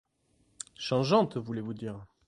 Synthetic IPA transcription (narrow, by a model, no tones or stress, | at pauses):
ʃɑ̃ʒɑ̃t̪vulevud̪iːʁ